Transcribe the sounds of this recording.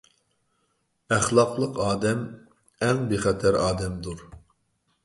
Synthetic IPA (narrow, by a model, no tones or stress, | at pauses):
æχlˠɑqlˠəqʰɑːd̪ɛm | ɛŋbeχɛt̪ʰæɾɑːd̪ɛmd̪uɾ